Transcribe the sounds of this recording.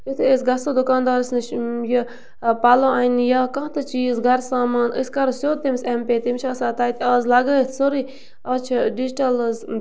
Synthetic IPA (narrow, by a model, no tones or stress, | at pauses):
it̪ʰesɡɐsod̪ʊkaːnd̪aːɾsnʃjɐ | pɐloɐinjɐkɐ̃ɦt̪ɐt͡ʃiːzɡʱɐɾsaːmaːnə̰skɐɾsjoːt̪imsempeːt̪imt͡ʃʰɐːsaːt̪aːt̪ʲaːzlɐɡəːit̪ʰsoɾi | ɐːt͡ʃʰiɖid͡ʒʈɐlz